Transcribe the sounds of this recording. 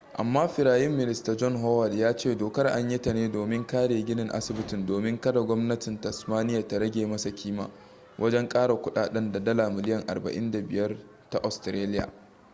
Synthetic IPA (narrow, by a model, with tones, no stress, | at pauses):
ʔa̰˨mːaː˦ɸɪ˨ɾaː˨jɪ˦mːɪ˦˨nɪ˦sta˨d͡ʒɔ˦nɦoː˦wɐ˨djaː˦t͡ʃeː˦˨doː˨kɐ˦rʔa̰˦ɲji˦ta˨neː˦doː˨mɪ˦ŋkaː˦ɽeː˨ɡʲɪ˦nɪ˨ŋʔa̰˦sɪ˨bɪ˦tɪ˨ndoː˨mɪ˦ŋkɐ˦da˨ɡʷɔ˦mnɐ˦tɪ˨ntɐ˨smaː˦nɪ˦ja˨ta˨ɽɐ˦ɡʲeː˨mɐ˦sa˨kʲʰiː˦ma̰ː˨ | wʔɐ˦d͡ʒɛ˦ŋkʼaː˦ɽa˨kʷʊ˦ɗa̰ː˨ɗɐ˦nda˨dɐ˦laː˨mɪ˨lɪ˦jɐ˨ŋʔa̰˨rbɐ̰˨ʔɪ˦nda˨bɪ˨jɐ˦r | ta˨ʔɔ˨stɾeː˦lɪ˦ja̰ː˨